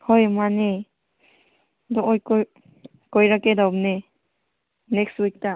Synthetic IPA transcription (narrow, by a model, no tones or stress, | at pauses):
hɔjmane | dɔʔɔjk | kɔjɾakedawp̚ne | nɛkstwik̚ta